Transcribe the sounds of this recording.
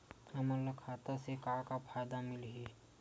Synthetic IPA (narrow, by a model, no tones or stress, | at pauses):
ɛmələkʰaːt̪asekakapʰaːjd̪amɪlɦi